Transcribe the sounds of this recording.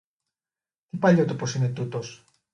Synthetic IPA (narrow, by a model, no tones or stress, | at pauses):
t̪ipaʎot̪uposinet̪ut̪os